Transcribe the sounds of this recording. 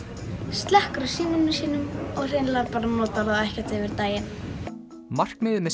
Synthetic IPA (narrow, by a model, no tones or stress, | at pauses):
st̪lɛhkɾʏ̥siːnʏnɪsiːnʏmɔɣr̥enlaɾpaːɾanoːwt̪aɾðawɛhcɛt̪evɪɾt̪aːjɪn | mar̥kmɪðmɛ